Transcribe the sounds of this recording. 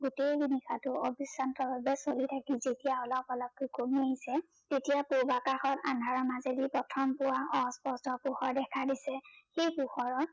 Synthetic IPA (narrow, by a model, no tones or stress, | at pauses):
ɡutejbinikʰatʊobisantɔbabɛsolitʰakizetijaɔlɔpɔlɔb̚kukomieɦisɛ | tetijapubakaxɔtandʱaɹɔmazedipɔtʰɔmpʊwaɔspɔstɔpuxɔɹdɛkʰadisɛxejpʊxɔɹɔt̚